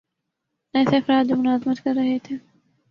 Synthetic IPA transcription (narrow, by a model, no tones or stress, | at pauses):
ɛːseɐfɾaːd̪̚d͡ʒomʊnaːzmət̪kɐɾːɐɦet̪ʰeː